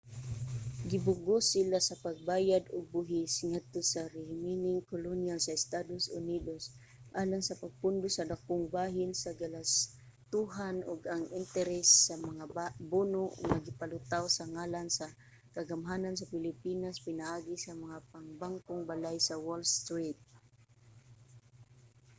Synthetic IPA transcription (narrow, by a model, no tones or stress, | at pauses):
ɡɪbʊɡosɪlasɐpaɡ̚baːjad̪ʊɡ̚bʊɦɪsŋad̪̚t̪osaɾɛhɪminɪŋkolonjalsaɪst̪ad̪osʊ̰nid̪os | ʔaːlaŋsɐpaɡ̚pʊnd̪ʊsɐd̪ak̚ʊŋbaːɦɪnsaɡalas | t̪uɦanʊɡaŋɪnt̪ɛɾɛsːamaŋabunʊʔʊ̰ɡmaɡɪpalʊt̪awsaŋalansa | kaɡamɦanans̬apɪlɪpiːnaspɪnaʔaːɡisamaŋapaŋbaŋkoŋbalajsawolst̪ɹit̪̚